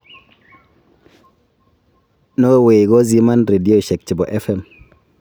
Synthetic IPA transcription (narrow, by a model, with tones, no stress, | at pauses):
no˦e˦we˨ɡɔ˦zi˦ma˦nɾe˨di˦o˦˨ʃɛ˨k̚t͡ʃi˨bɔ˨ʔɛ˦fɛ˦˨m